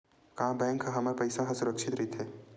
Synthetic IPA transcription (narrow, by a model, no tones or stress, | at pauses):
kɐɦãbɛ̃ːŋkaɦɐmaɾpɐɪsãɦɐsʊɾəkʃɪt̪ɾit̪ɦɛː